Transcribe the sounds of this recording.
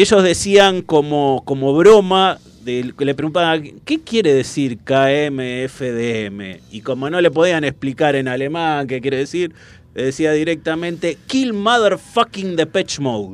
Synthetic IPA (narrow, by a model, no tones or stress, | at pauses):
eʃo̞zðe̞siaŋko̞moko̞mo̞βɾo̞ma | ðelepɾeɣunt̪aβake̞kjeɾe̞ðesiɾkaemeefeðeemḛiko̞mo̞no̞le̞p̬o̞ð̞ianesplikaɾe̞nale̞maŋk̬ek̬jeɾeðesiɾ | ðesiaðiɾek̚t̪amẽ̞nt̪e̞kilmaðeɾfakiŋd̪epet͡ʃmowð